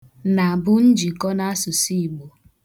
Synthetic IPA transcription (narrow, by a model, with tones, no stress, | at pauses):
na˨a˨bʊ˦n̩˦d͡ʒi˨kɔ˦na˦a˦sʊ˨si˦i˨ɡ͡bo˨